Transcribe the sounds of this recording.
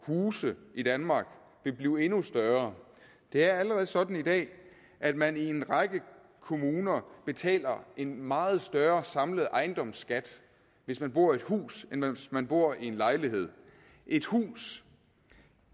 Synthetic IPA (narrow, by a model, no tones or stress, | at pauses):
huːsəid̥ænmɑ̈ːɡ̥ | ʋe̝b̥liːʊe̝nusd̥ɶɐ | d̥e̝æɐæləʁɛð̞̩ˠsɒ̽d̥n̩id̥ɛ̰ː | ʔæd̥mænie̝nʁɑ̈ɡ̥ə | kʰo̝muːnɐb̥e̝t͡sʰɛ̰ːlɐe̝nmɑ̈ːð̞̩ˠsd̥ɶɐsɑ̈mləð̩ˠʔɑ̈ɪnd̥ɒ̽msɡ̥æd̥ | ʋe̝smænb̥o̝ɐ̰ie̝d̥hṵːsensmænb̥o̝ɐ̰ie̝nlɑ̈ɪliɦe̝ð̞̰ˠ | ʔe̝d̥hṵːs